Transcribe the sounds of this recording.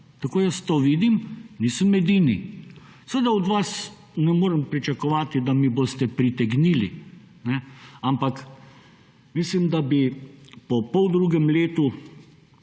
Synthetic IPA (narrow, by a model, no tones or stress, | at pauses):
t̪akoːjəst̪oːʋiːd̪imniːsəmɛd̪iːnḭ | səʋed̪aɔd̪ʋas | nɛmoːɾɛmpɾit͡ʃakɔʋaːt̪id̪amibost̪ɛpɾit̪ɛɡniːli | nɛampak | mislimd̪abipɔpɔwd̪ɾuːɡɛmleːt̪u